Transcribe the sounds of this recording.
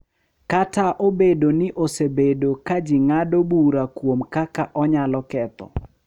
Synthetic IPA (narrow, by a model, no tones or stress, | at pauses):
kataʔobedonɪʔosebedokad͡ʒɪŋadobuɾakwomkakaʔɔɲalɔkɛt̪ɔ̰